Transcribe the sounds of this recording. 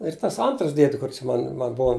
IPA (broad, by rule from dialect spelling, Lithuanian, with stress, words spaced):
ɪr tɐs ˈɐntrɐs ˈdʲiɛdʲɪ ˈkʊr t͡ʃʲɛ ˈmɐn mɐn ˈbʊɐ